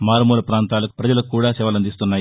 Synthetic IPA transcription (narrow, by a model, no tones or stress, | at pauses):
maːɾɐmuːlɐpɾaːnt̪aːlɐku̥pɾɐd͡ʒɐlɐkːuːɽaːsɛʋɐlɐnd̪ist̪unːaːji